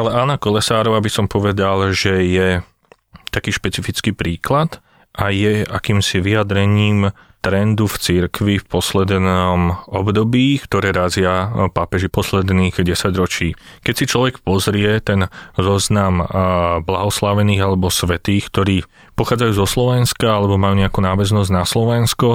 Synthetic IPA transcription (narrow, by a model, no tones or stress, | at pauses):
alɛaːnakɔlɛsaːɾɔʋaːbisɔmpɔʋɛd̪alʒɛjɛ | t̪akiːʃpɛt͡sifit͡skiːpɾiːklat̪ | ajɛakiːmsiʋiad̪ɾɛɲiːm | t̪ɾɛnd̪uft͡siɾkʋifpɔslɛd̪nɔmɔbd̪ɔbiːkt̪ɔɾɛːɾazɪapapɛʒipɔslɛd̪niːɣɟɛsaɟɾɔt͡ʃiːkɛcsit͡ʃlɔʋɛkpɔzɾɪɛt̪ɛnzɔznamblaɦɔslaʋɛniːɣalɛbɔsʋɛt̪iːxkt̪ɔɾiː | pɔxaːd͡zajuːzɔslɔʋɛnskaalɛbɔmajuːɲɛakuːnaːʋɛznɔzɟnaslɔʋɛnskɔ